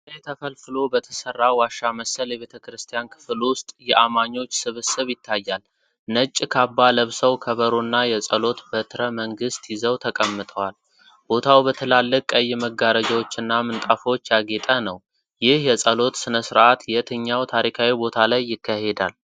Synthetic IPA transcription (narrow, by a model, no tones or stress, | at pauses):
əjɛt̪ʰəfəlfɨlo̞bət̪ʰə̥sərːawaʃːaməsəljɛβe̞t̪ʰəkɾɨst̪ʰijankʰɨ̥flwʊst̪ʼjɛʔamaɲːo̞t͡ʃːsɨβɨsɨβjɪt̪ʰːajːal | nət͡ʃʼːkʰabːaləβsəwkʰəβəɾonːajɛsʼəlo̞t̪bət̪ʰɨɾəməŋɡɨst̪jɪzəwt̪ʰəkʼəmːɨt̪ʼəwal | b̥o̞t̪ʰawbət̪ʰəlalːɨkʼəjːməɡaɾəd͡ʒawot͡ʃːɪnːamɨnt̪ʼafo̞t͡ʃːjaɡet̪ʼənəw | jɪhjɛsʼəlo̞t̪sɨnəsɨɾʔat̪jɛt̪ʰɨɲːawt̪ʰaɾikʰawibo̞t̪ʰalajːɪkʰːahe̞d̪al